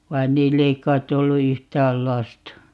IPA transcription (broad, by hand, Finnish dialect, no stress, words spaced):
ʋɑin niːlː ei kˑɑitˑ olːu yhtæːl lɑstɑ